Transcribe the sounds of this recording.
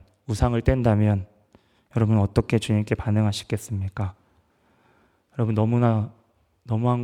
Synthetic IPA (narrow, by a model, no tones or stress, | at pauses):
usʰaŋɯɭt͈wendamjʌn | jʌɾʌbunʌt͈ʌkʰe̞t͡ɕuɲimkʰe̞panɯŋɦaɕʰi̥k͈e̞s͈ɯmɲik͈a | jʌɾʌbunːʌmuna | nʌmuɦan